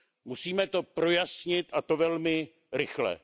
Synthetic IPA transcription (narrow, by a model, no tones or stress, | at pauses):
musiːmɛt̪o̞pɾo̞jasɲɪt̪ʔat̪o̞vɛlmɪ | ɾɪxlɛ̰